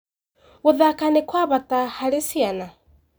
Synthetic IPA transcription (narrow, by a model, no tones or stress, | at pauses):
wuðakanekwaβatahaɾesiana